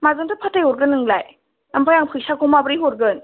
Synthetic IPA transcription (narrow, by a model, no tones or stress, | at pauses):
mazɯntʰɯpʰatajuɾɡɯnɯŋlaj | nampʰajaŋpʰɯjsakɔmabɯɾiɦuɾɡɯn